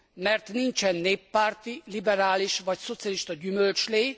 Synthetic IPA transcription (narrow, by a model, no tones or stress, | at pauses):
mɛrt̪nint͡ʃɛnːeːpːaːrt̪ilibɛɾaːliʃʋɒcso̞t̪sijɒliʃt̪ɒɟymø̞lt͡ʃleː